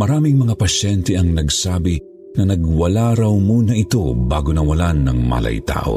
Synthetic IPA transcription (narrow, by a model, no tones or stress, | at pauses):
mɐɾaːmiŋmɐŋapɐʃɛnt̪ɛʔɐŋnɐɡsaːbi | nɐnɐɡwɐlaɾɐwmuːnɐʔɪt̪o̞baːɡonɐwɐlanːɐŋma̰ːlɐ̰jt̪a̰ːʔo̰